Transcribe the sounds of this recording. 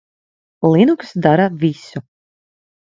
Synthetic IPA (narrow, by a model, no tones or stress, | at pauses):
lˠinuksd̪aɾavʲisu